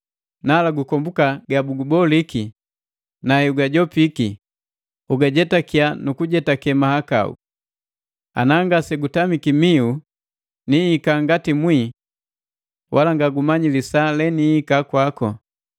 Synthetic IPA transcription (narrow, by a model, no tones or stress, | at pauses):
nalaɡukɔmbukaɡabuɡubɔliki | nahɛuɡaɟɔpiki | uɡaɟɛtakianukuɟɛtakɛmahaka̰ṵ | a̰naŋɡasɛɡutamikimiu | nihikaŋɡatimwi | wʔalaŋɡaɡumaɲilisalɛnihikakwakɔ